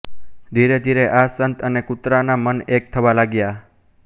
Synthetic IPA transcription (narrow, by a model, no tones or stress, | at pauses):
d̪ʱiɾed̪ʱiɾeʔasənt̪ənekʊt̪ɾanamənek̚t̪ʰəʋalaɡja